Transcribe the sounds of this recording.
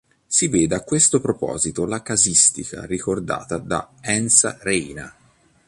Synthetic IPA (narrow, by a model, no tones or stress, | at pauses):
siveːd̪eakːwest̪opɾopɔ̰ːzit̪olakazist̪ika̰rikord̪a̰ːt̪ad̪a̰ɛnsa̰reːna̰